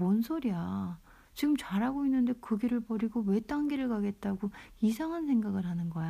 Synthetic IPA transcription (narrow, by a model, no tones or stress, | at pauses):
monsʰoɾia | t͡ɕiɡɯmt͡ɕaɾɦaɡoinːɯnde̞kɯɡiɾɯɭpʌɾiɡowe̞t͈aŋɡiɾɯɭkaɡe̞t̚t͈aɡoisʰaŋɦansʰe̞ŋɡaɡɯɭɦanɯnɡʌj